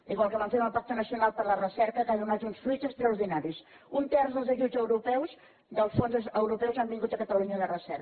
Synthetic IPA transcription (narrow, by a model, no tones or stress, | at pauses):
iɣwalˠkəβaɱfet̪əlˠpak̚t̪ənəsiunalˠpəɾlərəsɛɾkəkaðunat̪unsfɾuzəst̪ɾəuɾðinaɾis | unt̪ɛrzðəlˠzəʒuzəwɾupɛwz | d̪əlˠsfonzəwɾupɛwzambiŋɡut̪əkət̪əluɲəðərəsɛɾ